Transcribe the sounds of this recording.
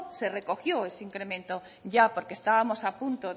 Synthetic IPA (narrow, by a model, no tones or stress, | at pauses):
serekoxjoesiŋkɾemẽnt̪o | ʎapoɾkest̪aβamosapũnt̪o